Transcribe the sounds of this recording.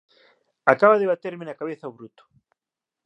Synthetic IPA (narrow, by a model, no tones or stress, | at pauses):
akaβaðeβat̪eɾmɪnakaβeθaoβɾut̪ʊ̥